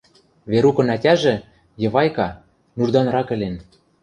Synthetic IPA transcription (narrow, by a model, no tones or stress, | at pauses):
βeɾukɤ̆nætʲæʒĕ | jɤ̆βɑjkɑ | nurd̪ɑnɾɑkɘ̆lʲen